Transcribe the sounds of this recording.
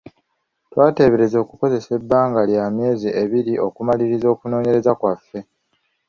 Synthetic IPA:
twaːte̞ːβe̞ɾe̞zo̞ːkuko̞ze̞se̞bːaːŋɡaljaːmje̞ːziʔe̞βiɾiʔo̞kumaliɾizo̞ːkuno̞ːɲe̞ɾe̞zakwafːe̞

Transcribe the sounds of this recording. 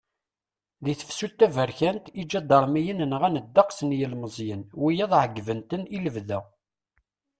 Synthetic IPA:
ðiθə̥fsut̪ːævəɾçænt̪id͡ʒːæd̪əɾˤmijənənʁænəd̪ːɑqsənjəlməzˤjənwijæðˤʕəɡːvənt̪əniləvðæ

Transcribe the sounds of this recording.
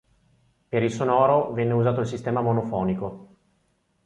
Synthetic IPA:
peɾilsonɔːɾovɛnːeuzaːt̪oilsist̪ɛːmamonofɔːniko

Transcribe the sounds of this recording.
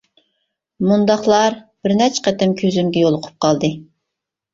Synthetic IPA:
mund̪ɑχlˠɑɾb̥ɪɾnɛt͡ʃqɛt̪ɪmkʲʰøzymɡʲɛjolˠʊqʰʊ̥p̚qʰɑlˠd̪ɨ

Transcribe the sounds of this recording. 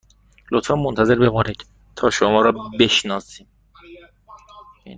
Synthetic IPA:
lot̪fɑnmont̪ʰæze̞ɾbeboɾec̪ | t̪ʰɒːʃomɒːɾɒːbe̞ʃnɒːsiːm

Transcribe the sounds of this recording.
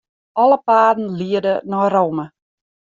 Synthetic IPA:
ɔləpaːdn̩liədənɔrowmə

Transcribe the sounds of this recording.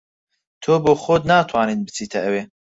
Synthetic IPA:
t̪ʰoːboːxoːd̪naːt̪ʰwaːninbɨt͡sʰiːt̪ʰɐʔɐweː

